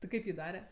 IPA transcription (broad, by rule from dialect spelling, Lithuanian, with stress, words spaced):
tʲɪ ˈkɐɪp jiː ˈdɑːrʲɛ